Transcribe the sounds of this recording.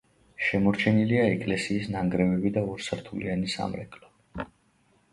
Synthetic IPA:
ʃɛmɔɾt͡ʃʰɛniliaɛkʼlɛsiːsnaŋɡɾɛvɛbid̪aɔɾsɾt̪ʰulianisa̰mɾɛkʼlɔ

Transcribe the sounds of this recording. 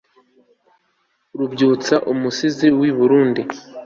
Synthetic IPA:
ɾubɟuːt͡saʔumusiziwiβuɾuːndi

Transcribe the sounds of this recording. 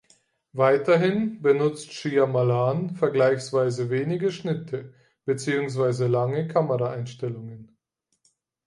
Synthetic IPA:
vaɪtɐɦɪnbənʊt͡stʃiːamalaːnfɛɐɡlaɪçsv̥aɪzəveːnɪɡəʃnɪtʰə | b̥ət͡siːʊŋs̬v̥aɪzəlaŋəkʰaməʁaaɪnʃtɛlʊŋən

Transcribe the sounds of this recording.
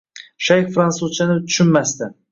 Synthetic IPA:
ʃajkfɾansuzt͡ʃʰanɪt̪ʰʊ̥ʃɪnmast̪ɪ

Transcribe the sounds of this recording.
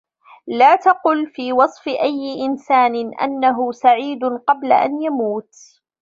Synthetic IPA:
laːt̪ɑqʊlfiːwɑsˤfɪʔajːɪʔɪnsaːnɪnʔa̰nːaɦʊsaʕiːd̪ʊqɑbla̰ʔa̰njamuːt̪

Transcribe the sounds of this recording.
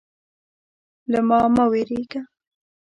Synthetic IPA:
ləmɑmaweɾeɡa

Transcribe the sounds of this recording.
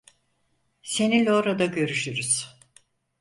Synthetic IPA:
se̞nilʲɛoɾad̪aɟø̞ɾyʃyɾyz̥

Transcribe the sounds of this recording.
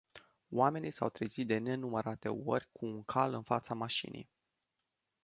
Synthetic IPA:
wame̞nisa̰wt̪ɾizit̪̚d̪e̞ne̞numəɾat̪e̞̰o̞rʲkʰuːŋkʰalɨnfat̪samaʃḭnʔḭj

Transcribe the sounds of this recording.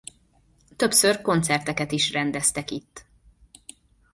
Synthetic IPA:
t̪ø̞psørko̞nt̪sɛrt̪ɛkɛt̪iʃrɛnd̪ɛst̪ɛkit̪ː

